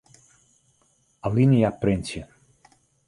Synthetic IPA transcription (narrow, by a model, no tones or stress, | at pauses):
alinijapɾensiə